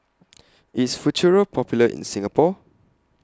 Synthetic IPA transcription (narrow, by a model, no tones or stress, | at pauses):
itsfut͡ʃuɹəpʰɔpjuləʔḭ̃nsĩŋapɔ